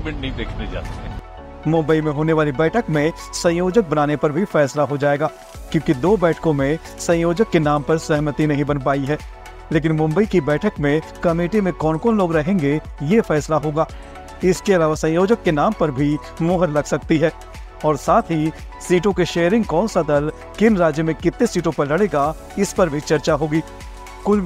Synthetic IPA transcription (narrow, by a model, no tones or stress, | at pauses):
mẽɳʈnɐɦĩd̪eːkʰned͡ʒa̰ːt̪ɛ | mʊ̃mbəimẽɦoːneʋaːlibɛːʈʰəkmẽ | sɐ̃joːd͡ʒək̚bɐnaːnepɐɾbʱifɛːslaɦod͡ʒaːeːɡaː | kjõːkid̪oːbɛːʈʰkõmẽ | sɐ̃jjoːd͡ʒəkːenaːmpɐɾsɛɦmət̪inɐɦĩbɐnpaːiɦɛː | leːk̬ɪnmʊ̃mbəikibɛːʈʰəkmẽkɐmeːʈimẽkɔːnkɔːnloːɡɾɐɦẽːŋɡejefɛːslaɦoːɡaː | ɪskeɐlaːʋasɐ̃joːd͡ʒəkːenaːmpɐɾbʱi | moːɦəɾlɐɡsɐk̚t̪iɦɛː | ɔːɾsaːt̪ʰɦi | siːʈõkeʃeːəɾɪ̃ŋɡkɔːnsad̪əl | kɪnɾaːd͡ʒjəmẽkɪt̪ːesiːʈõpɐɾlɐɽeːɡa | ɪspɐɾbʱit͡ʃɐɾt͡ʃaɦoːɡiː | kʊl